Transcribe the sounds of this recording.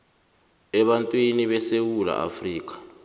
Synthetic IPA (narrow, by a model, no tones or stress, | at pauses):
ɛɓantʼwiniɓɛsewula̰ʔa̰friːk̬ʼḁ